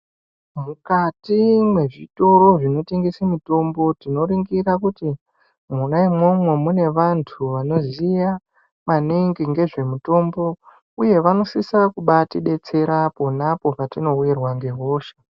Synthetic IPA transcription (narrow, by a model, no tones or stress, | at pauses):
mukatimwe̞ʐito̞ɾo̞ʐino̞teŋɡisamito̞mbo̞tino̞ɾiŋɡiɾakuti | munaimwo̞mwe̞mune̞ʋantʰuʋano̞zija | maniŋɡiŋɡe̞ʐe̞muto̞mbo̞ | uje̞ʋano̞sisakuɓatiɗe̞t͡se̞ɾapo̞napo̞patino̞ujirwaŋɡe̞ɦo̞ːʃḁ